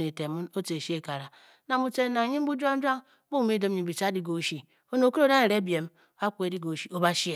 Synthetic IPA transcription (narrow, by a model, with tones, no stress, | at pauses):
e˨te˨mu˦no˦te˨ʃi˦e˦ka˨ɾa˨ | na˨mu˨t͡ʃe˦na˨ɲi˦m̩˦bu˦d͡ʒu˦a˦n̩˦d͡ʒa˦ŋ˦ | bu˦˨me˦do˦m˦ɲi˨bi˨t͡ʃa˦di˦ɡo˨ʃi˨ | o˦no˨ku˦ɾo˦˨da˦ne˨ɾe˦bi˨e˨m˦a˦kʷu˦e˨˦di˦ɡo˨ʃi˦o˦ba˦ʃi˦e˨